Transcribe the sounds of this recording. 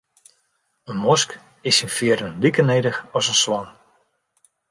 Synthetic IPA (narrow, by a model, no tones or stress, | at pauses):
ənmɔsk | ɪsinfɪəɾənlikənejdəxɔsənswɔn